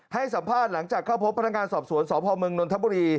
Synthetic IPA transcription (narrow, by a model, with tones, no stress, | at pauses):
ha˥˩jsa˩˦mpʰaː˥˩t̪̚la˩˦ŋt͡ɕaː˨˩kʰːaː˥˩wpʰo˦˥p̚ʰːna˧˥ŋaː˧nsɔː˨˩p̚su˩˦ənsɔː˩˦˥pʰɔː˧mɯ˧ŋno˧nt̪ʰa˦˥buː˧ɾiː˧